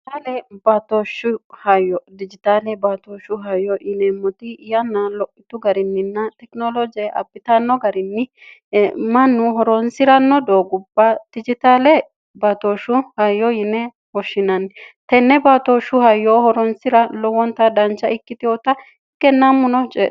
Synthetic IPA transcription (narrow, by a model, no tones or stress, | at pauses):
t̪alɛbat̪oʃʊhɐjɔd̪ɪd͡ʒɪt̪aːlɛbat̪oːʃʊɦɐjːɔʔɪnɛmʊt̪ɪjɐnːɐlɔʔɪt̪ʊɡɐɾɪnːɪnːɐt̪ɛknolɔd͡ʒɛʔɐ̰bːɪt̪ɐnːɔɡɐɾɪnːɪ | mɐnːʊɦɔɾɔnsɪɾɐnːɔd̪oːɡʊbːɐd̪̥ɪd͡ʒɪt̪aːlɛ | bat̪oːʃʊhɐjːɔjɪnɛ | wɔʃːɪnɐnt̪ɛnːɛbat̪oːʃʊhɐjːoːhɔɾɔnsɪɾɐlɔwɔnt̪ɐd̪ɐnt͡ʃːɐɪkːɪt̪ɪjɔt̪ɐ | kːɛnːamːʊnɔt͡ʃʼɛ̰